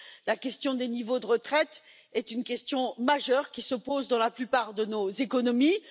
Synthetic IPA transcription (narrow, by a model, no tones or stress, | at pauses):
lakʲɛst̪jɔ̃d̪enivod̪əʁət̪χɛt̪ | ɛt̪ynkʲɛst̪jɔ̃maʒœʁkʲisəpozd̪ɑ̃laplypaʁd̪ənozekɔnɔmi